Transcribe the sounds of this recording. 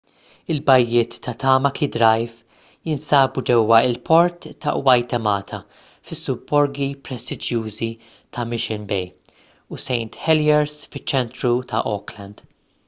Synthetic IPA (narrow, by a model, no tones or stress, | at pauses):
ɪlbɐjːɪːt̪ːɐt̪ɐːmɐkʰid̪ɾɐjf | jɪnsɐːbud͡ʒɛwːɐɪlpʰɔɾt̪ːɐ̰ʔwɐjt̪ɐmɐːt̪ʰɐ | fɪsːʊbːɔɾɡipɾɛst̪ɪd͡ʒjuːzi | t̪ʰɐmɪʃɪnbɛj | usɛjnt̪ħɛljɛɾsfɪt͡ʃːɛnt̪ɾut̪ʰɐ̰ʔɔklɐnd̪̥